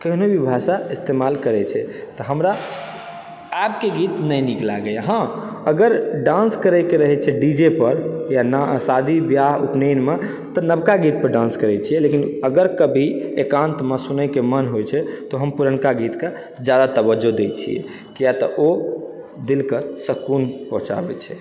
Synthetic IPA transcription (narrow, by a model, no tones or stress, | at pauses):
kəɦnobʱibʱaʃaist̪emalkəɾɛt͡ʃʰɛt̪ɔɦəmɾa | ɛp̚keɡit̪nəjnikla̰ɡejaɦə̃əɡəɾɖãnskəɾɛkeɾəɦɛt͡ʃʰɛɖid͡ʒepəɾjanasad̪ʱibjaɦupnenme | t̪ɔnəbkaɡit̪̚pəɾɖãnskəɾɛt͡ʃʰijɛlekinəɡəɾkəbʱiekãnt̪məsunɛkemənɦojt͡ʃʰɛt̪ɔɦəmpuɾəɳkaɡit̪ke | d͡ʒjad̪at̪əbəd͡ʒod̪et͡ʃʰḭɛ̰ | kijat̪ɔʔo | d̪ilkəsəkunpɔɦũt͡ʃa̰bɛ̰t͡ʃʰɛ